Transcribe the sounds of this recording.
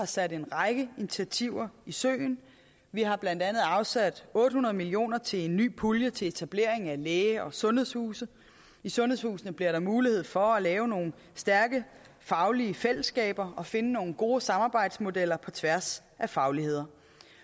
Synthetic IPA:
ɑ̈sæd̥e̝nʁɑ̈ɪɡ̥əinit͡sʰiæt͡sʰiʊ̰ɐisø̰ːn | ʋiɦɑ̈b̥lænd̥ænð̞̩ˠɑ̈ʊsæd̥ɔ̽ːd̥əhunɐðˠmilio̝̰ːnɐt͡sʰe̝le̝nːy̰ːpʰuljət͡sʰe̝le̝t͡sʰæb̥le̝ɐeŋæleːɒ̽sɔ̽nheð̰ˠshuːsə | isɔ̽nheshṵːsn̩əb̥liɐ̰ɾɑ̈muːlihe̝ð̞̰ˠfɒ̽ælɛːʊno̝ːn̩ | sd̥æɐɡ̥ə | fɑ̈ʊliəfel̰əsːɡ̥ɛ̰ːb̥ɐɒ̽fe̝nəno̝ːŋn̩ɡ̥o̝ːsɑ̈mɑ̈ːb̥ɑ̈ɪ̰d̥smo̝del̰ɐpʰɒ̽t͡sʰʋæɐs | ʔæfɑ̈ʊlihe̝ð̞̰ˠɐ

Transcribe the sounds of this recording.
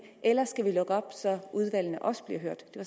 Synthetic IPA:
ʔelɐsɡ̥æʋilɔ̽ɡ̥əɒ̽b̥sɒ̽ʔuð̞ˠʋæl̰n̩əʔɒ̽sə̥b̥liɐɦøɐ̰d̥d̥e̝ʋ

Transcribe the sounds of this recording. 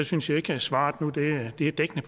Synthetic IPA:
æsynsjɑ̈e̝ɡ̥əsʋɑ̰̈ːd̥nud̥e̝d̥e̝æd̥eɡ̥ənəpʰ

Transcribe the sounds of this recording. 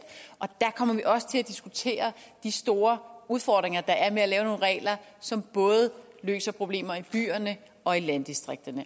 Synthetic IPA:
ʔɒ̽d̥ækʰɒ̽m̰ɐʋiʔɒ̽sə̥t͡sʰe̝læd̥isɡ̥ut͡sʰe̝̰ːɐd̥isd̥o̝ːɐuðˠfɒd̥ʁeŋɐd̥ɑ̈ʔæɐmeælɛːʊno̝ːn̩ʁɛ̰ːlɐsɒ̽mb̥ɔ̽ːð̞̩ˠlø̰ːsɐpʰʁo̝b̥le̝̰ːmɐib̥y̰ːɐnə | ɒ̽ilænd̥isd̥ʁeɡ̥̚d̥ɐnə

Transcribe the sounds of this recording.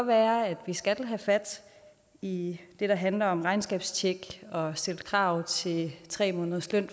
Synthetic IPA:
ɒʋæːɐæd̥ʋisɡ̥ælɦæfæd̥ | id̥e̝ɾ̥ɑ̈ɦænlɐɒ̽mʁɑ̈ɪnsɡ̥ɛːb̥st͡ɕʰeɡ̥ɒ̽sd̥eld̥̚kʰʁɑ̈ːʊ̰t͡sʰe̝t͡sʰʁɛ̰ːmɔːnðˠsløn̰

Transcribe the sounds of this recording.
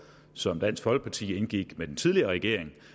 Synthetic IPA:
sɒ̽md̥æn̰sfɒ̽l̰ɡ̥̚pʰɑ̈t͡sʰḭːe̝nɡ̥iɡ̥med̥ent͡sʰið̞ˠliɐʁɛɡ̥e̝ɐ̰e̝ŋ

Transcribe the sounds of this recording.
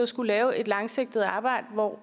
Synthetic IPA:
ɒsɡ̥ulɛːʊe̝d̥lɑ̈ŋse̝ɡ̥̚d̥ð̞̩ˠɑ̈ːb̥ɑ̈ɪ̰d̥əʋɒ̰

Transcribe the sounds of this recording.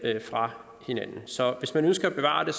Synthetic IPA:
fʁɑ̈ | he̝nænn̩sɒ̽ʋe̝smænønsɡ̥ɐæb̥e̝ʋɑ̰̈ːd̥e̝

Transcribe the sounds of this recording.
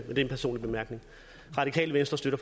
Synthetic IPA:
mend̥e̝nmpʰæɐso̝̰ːnlib̥e̝mæɐɡ̥ne̝ŋ | ʁɑ̈d̥ikʰɛ̰ːləʋensd̥ʁɐsd̥øɾ̥ɐf

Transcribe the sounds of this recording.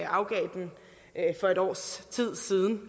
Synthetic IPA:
ɑ̈ʊɡ̥ɛ̰ːd̥en | fɒ̽e̝ɾɒ̰ːst͡sʰið̰ˠsiːð̞ˠn̩

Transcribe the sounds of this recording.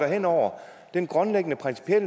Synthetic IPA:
ɐɦen̰ɒʊ̰ɐ | d̥enɡ̥ʁɔ̽nleɡ̥ənəpʰʁɛnsi̥pʰiel̰

